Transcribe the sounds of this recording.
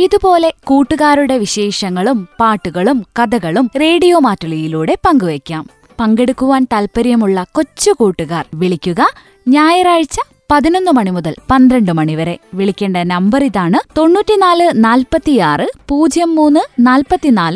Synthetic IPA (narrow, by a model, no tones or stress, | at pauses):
iðupo̞ːle̞kuːʈːuɣaːɾuɽe̞ʋiɕe̞ːʂɐŋːɐɭumpaːʈːuɣɐɭumkɐðɐɣɐɭumre̞ːɽijo̞ːmaːtːɐɭijiluːɽe̞pɐŋɡuʋekʲːaːm | pɐŋɡe̞ɽukːuʋaːnt̪ɐlpɐɾjɐmuɭːɐko̞t͡ɕːukuːʈːuɣaːrʋiɭikʲːuɣɐ | ɲaːjɐraːɻt͡ɕːɐ | pɐðino̞nːɨmɐɳimuðɐlpɐnd̪ɾɐɳɖɨmɐɳiʋɐɾe̞ʋiɭikʲːeːɳɖɐnɐmbɐriðaːɳɨt̪o̞nːuːtːinaːlɨnaːlpɐt̪ːijaːrɨpuːd͡ʑjɐmːuːnːɨnaːlpɐt̪ːinaːlɨ